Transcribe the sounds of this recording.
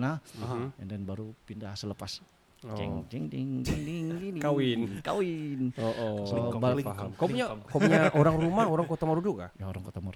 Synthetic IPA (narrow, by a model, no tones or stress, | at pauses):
naandanbaɾupindahsələpas | d͡ʒɛ̰ŋd͡ʒɛŋdɪŋd͡ʒɛŋdiŋd͡ʒinikawɪnka̰wɪnoʔsbaɦkapuɲakaɲaʔoɾaŋɾumahoɾaŋkot̪amaɾud͡ʒuɡa̰jaoɾaŋkot̪amaɾu